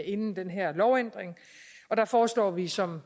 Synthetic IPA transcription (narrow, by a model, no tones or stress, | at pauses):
e̝nn̩d̥enɦɛɐ̰lɒʊend̥ʁeŋ | ɒ̽d̥ɑ̈fɒːslɒ̰ːʋisɒ̽m